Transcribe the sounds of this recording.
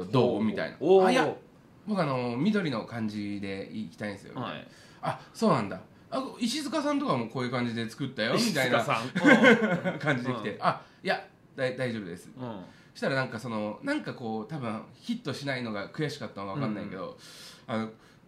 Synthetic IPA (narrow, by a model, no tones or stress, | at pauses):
od̪oːmʲit̪a̰ḭna̰aja | bo̞kɯ̟ano̞mʲid̪o̞ɾʲino̞kãɲ̟d͡ʑid̪e̞iːkʲi̥t̪aĩnsɨjo̰ | aso̞ːnãnd̪a̰ | akoiɕizɨkasãnt̪o̞kamo̞ːko̞ːjɯ̟kãɲ̟d͡ʑid̪e̞t͡sɨ̥kɯ̟t̪ːajo̞mʲit̪aina | kãɲ̟d͡ʑid̪eit̪eʔa | ja | d̪̥aid̪aiʑo̞ːbɯ̟d̪e̞sɨ̥ | ɕi̥t̪aɾanãŋkaso̞no̞nãŋkako̞ːt̪abɯ̟̃çit̪ːo̞ɕinaino̞ɡakɯ̟jaɕi̥kat̪ːanoβ̞akãnːaḭke̞d̪o̞̰ano̞